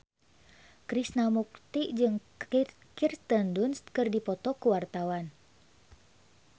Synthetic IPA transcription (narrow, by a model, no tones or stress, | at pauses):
kɾisnamuk̚t̪iʔd͡ʒɨŋ | kirst̪əndunst̪kɨrdipɔt̪ɔkuwart̪awan